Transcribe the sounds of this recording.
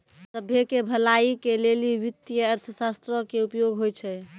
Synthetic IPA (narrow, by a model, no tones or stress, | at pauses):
səbʱjekebʱəlaikeleliʋit̪jəəɾt̪ʰəsast̪ɾɔkeupjoɡɦojt͡ʃʰɛ